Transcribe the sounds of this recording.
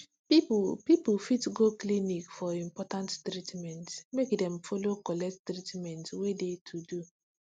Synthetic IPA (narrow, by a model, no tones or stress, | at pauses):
pipipfitɡoklinikfɔĩmpɔtãnttɾitmɛ̃ntmekdɛ̃mfolokɔlɛkttɾitmɛ̃ntwedetʰudu